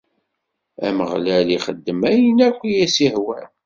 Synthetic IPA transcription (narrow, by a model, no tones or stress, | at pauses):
æ̰məʁlæliχəd̪ːəmæjənækʷːijæsihwæɾ